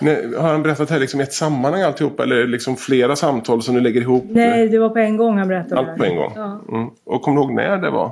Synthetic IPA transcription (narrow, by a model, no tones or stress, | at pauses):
nɛhaɾhanbɛɾɛt̪ːat̪hæɾlɪksɔmɪɛt̪samːanhaŋːalt̪ɪhuːpːaɛlːəlɪksɔmfleːɾasamt̪ʰɑːlsɔmd̪ɵlɛɡːəɾɪɦuːpːnɛd̪ɛvapʰɔɛnɡɔŋːhanbɛɾɛt̪ːaalt̪pɔɛŋɡɔ̰ŋ̩ː | ʔɔkʰɔmːd̪ɪhoːɡnæ̰ɖɛ̰va̰